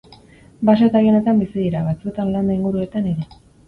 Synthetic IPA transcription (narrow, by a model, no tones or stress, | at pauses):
base̞t̪ajo̞ne̞t̪ambisiðiɾaβat͡sue̞t̪anland̪oiŋɡuɾue̞t̪aneɾe̞